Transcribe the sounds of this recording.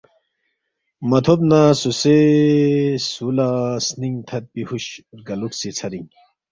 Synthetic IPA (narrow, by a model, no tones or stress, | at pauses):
mɐt̪ʰobnasuse | sulasniŋt̪ʰɐt̪̚pihuɕɡɐluksit͡sʰɐɾiŋ